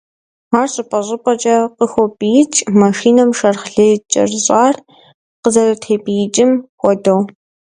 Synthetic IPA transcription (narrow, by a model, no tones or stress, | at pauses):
aːrɕʼɪpʼɐɕʼɪpʼɐt͡ʃʼɐqəxʷɔpʼijɪt͡ʃʼmɐʃiːnɐmʃɐrχɬɐt͡ʃʼɐ̰rɕʼaːr | qəzɐrɐtʰeːpʼijɪt͡ʃʼɪmxʷɔdow